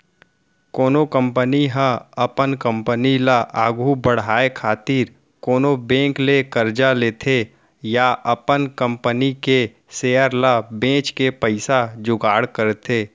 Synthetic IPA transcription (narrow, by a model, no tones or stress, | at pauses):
koːnokə̃mpəniɦə̃ɐpənkə̃mpənilaʔaːɡʱubəɽ̤aːekʰaːt̪iːɾ | koːnobẽːklekəɾd͡ʒaleːt̪ʰe | jaʔɐpənkə̃mpənike | seːəɾlabẽːt͡ʃkepəɪsad͡ʒʊɡaːɽkəɾt̪ʰeː